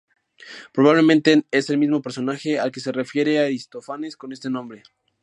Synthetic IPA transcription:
pɾo̞β̞aβle̞mẽnt̪e̞ese̞lmizmo̞pe̞ɾso̞naxe̞alke̞se̞re̞fje̞ɾeaɾist̪o̞fane̞sko̞ne̞st̪e̞nõmbɾe̞

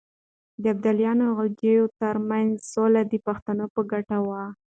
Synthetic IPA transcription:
d̪əab̚d̪aljɑnoɣald͡ʒejot̪əɾmanzsolad̪əpaxt̪anopəɡaʈawa

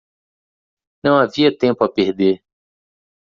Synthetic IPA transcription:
nɐ̃w̃aviɐt̪ẽmpʊapeɾd̪eɾ

